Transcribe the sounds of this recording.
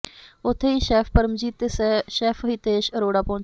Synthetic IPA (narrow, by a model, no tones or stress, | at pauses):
ʊt̪ʰːeːiːʃɛːfpəɾəmd͡ʒiːt̪eːsɛʃɛːfʰəɦit̪eːʃəɾoːɽaːpoːɳ